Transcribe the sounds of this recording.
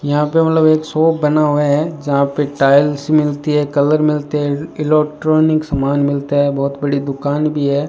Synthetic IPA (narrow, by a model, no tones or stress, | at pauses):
jɐɦãpemɐt̪ləbeːksɔːpbɐnaɦʊaɦɛd͡ʒɐɦãpeʈaːɪlsmɪlt̪iɦɛkɐləɾmɪlt̪eɦɛɪlɛk̚ʈɾoːnɪksɐmaːnmɪlt̪aɦɛbɔːʊt̪bɐɽid̪ʊkaːnbʱiɦɛː